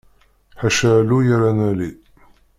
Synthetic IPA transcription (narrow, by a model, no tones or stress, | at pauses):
ħaʃalujaɾanæli